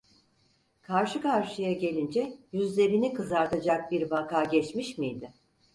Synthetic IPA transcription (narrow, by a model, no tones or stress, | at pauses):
kʰaɾʃɯkʰaɾʃɯjaɟe̞lʲind͡ʒɛjyzlʲe̞ɾinikʰɯzaɾt̪ʰad͡ʒak̚biɾbakʰaːɟɛt͡ʃmiʃmijd̪ɪ